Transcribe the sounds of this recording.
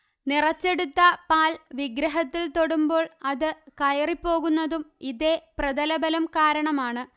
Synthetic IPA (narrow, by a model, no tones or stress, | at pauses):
nirɐt͡ɕːe̞ɽut̪ːɐpaːlʋiɡɾɐɦɐt̪ːilt̪o̞ɽumbo̞ːɭɐðɨkɐjɐripːo̞ːɣunːɐðumiðe̞prɐd̪ɐlɐbɐlɐmkaːɾɐɳɐmaːɳɨ